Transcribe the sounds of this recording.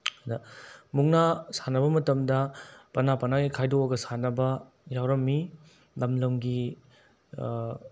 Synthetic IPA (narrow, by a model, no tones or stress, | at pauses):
dɐmuŋnasanɐbɐmɐtɐmdɐpɐnapɐnaɡikʰajdoɡɐsanɐbɐ | jawɾɐmːi | lɐmlɐwŋɡi